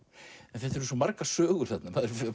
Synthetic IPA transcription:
ɛnθɛt̪ːɛɾʏsɔmaɾkasœːɣʏɾ̥θɛt̪naθaːðɛɾf

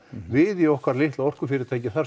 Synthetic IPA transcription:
vɪðiɔhkvaɾlɪht̪lawɔr̥kʏfɪːɾɪɾt̪ʰajcɪθaɾ

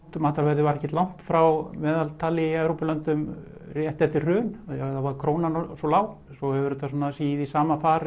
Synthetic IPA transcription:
t̪maːt̪aɾvɛɾðɪvaɾɛhcɛt̪lawn̥t̪fɾawmɛːðalt̪ʰaːlɪiɛvɾowpɪlœnt̪ʏmrjɛht̪ɛft̪ɪrrœːnajɛɣɛðavaɾkʰɾoːwnansɔlaːw | sɔhɛvʏɾʏt̪ʰasuːnːasiːjɪðisaːmafaːɾ

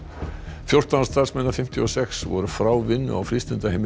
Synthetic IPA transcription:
fjowr̥t̪anḁst̪aɾsmɛnːafɪm̥t̪ʰjiɔsɛksvɔ̰ɾʏfɾaːwvɪnːʏ̰a̰wfɾɪst̪ɪnt̪ahejm

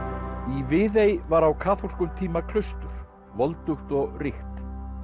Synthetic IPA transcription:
ivɪðejvaɾawkʰaːθɔr̥kʏmt̪ʰiːmakʰl̥ʏst̪ʏɾ̥ | vɔlt̪ʏxt̪ɔɣrɪxt̪

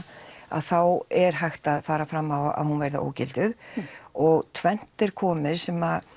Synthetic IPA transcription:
a̰ðθawɛɾ̥ɦajxt̪aðfaːɾafɾamːawa̰ðhunvejɾða̰ʔo̰ːwcɪlt̪ʏðɔɣt̪ʰvɛn̥t̪ɛɾ̥kʰɔːmɪðsɛma

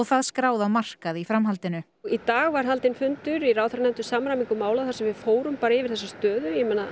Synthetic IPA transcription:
ɔɣθaðskɾaːwðawmar̥kaðifɾamɦalt̪ɪnʏ | it̪aːɣvaɾ̥ɦalt̪ɪnfʏnt̪ʏɾiraːwθaɾnɛmt̪ʏsamɾamiŋkʏmaːwlaθaɾsɛmvɪfoːwɾʏmpaːɾaɛvɪɾ̥θɛsːast̪œːðʏjɛmɛːna

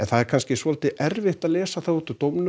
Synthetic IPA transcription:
ɛnθaðɛɾkʰanscɪsvɔːlt̪ɪʔɛɾvɪht̪aðlɛːsaθawɛht̪ʏt̪owmnʏ

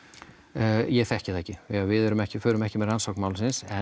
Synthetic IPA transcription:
jɛɣθɛhcɪθɛhcɪvɪavɪðɛɾʏmɛhcɪfœːɾʏmɛhcɪmɛðransɔwknmaːwlsɪnsɛ

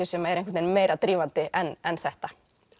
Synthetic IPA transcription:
ɛsɛmaɛɾẽŋkvɪt̪ejnmeːjɾat̪ɾiːvant̪ɪʔɛnɛnθɛht̪a

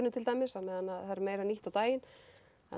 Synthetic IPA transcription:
ɾnʏt̪ʰɪlt̪aːjmɪsaðmɛːðanːaðhaɾmeːjɾaniht̪awt̪aːjɪn | ɛ̰

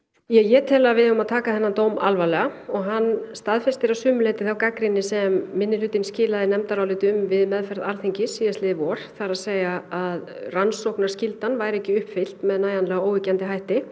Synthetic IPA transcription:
jɛjɛt̪ʰɛːlavɪðʏmaðt̪ʰaːkaθɛnːant̪oːwma̰lvajlɛɣaɔɣɦanːst̪aðfɛst̪ɪɾawsʏːmʏlejt̪ɪθawkakɾɪnːɪsɛmːɪnːɪlʏːt̪ɪnscɪːlaðɪnɛmt̪aɾawlɪːt̪ʏmvɪðmɛðfɛɾðaɾθeɲcɪsːiːðast̪lɪːðvɔɾ̥θaɾaðseːjɣaaðransowhknaɾ̥scɪlt̪anvajɾɛhcɪʏhpfɪl̥t̪mɛðnaːjðanlɛɣaoːwɪcant̪ɪɦajht̪ɪ

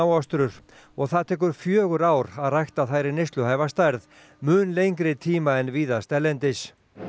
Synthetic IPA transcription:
wast̪ɾʏɾ̥ | ɔɣθaðt̪ʰɛːk̬ʏɾ̥fjœːɣʏɾaːwɾaðrajxt̪aθajɾɪnɪst̪lʏhajvast̪ajɾð | mʏːnlejŋkɾɪt̪ʰiːmaɛnviːðast̪ɛlːɛnt̪ɪs

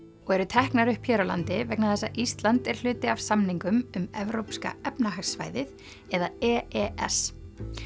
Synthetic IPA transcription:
ɔɣɛɾʏt̪ʰɛhknaɾʏhpʰjɛːɾola̰nt̪ɪvɛknaðθɛsːaʔist̪lant̪ɛɾ̥l̥ʏːt̪ɪavsamniŋkʏmʏmɛvɾowpska̰ɛpnaɦaksva̰ːjðɪθ | ɛðaɛːɛɛ̰s

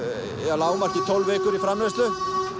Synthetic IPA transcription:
ɛalaːwmarc̪it̪ʰɔlvɛːkʏɾifɾamlɛst̪lʏ

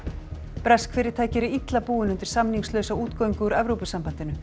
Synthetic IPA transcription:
pɾɛskfɪːɾɪɾ̥t̪ʰaːjcɪɾɪit̪lapuːɪnʏnt̪ɪɾ̥samniŋslœɥsawuːt̪koːwiŋkʏuɾɛvɾowpʏsampan̥t̪ɪnʏ

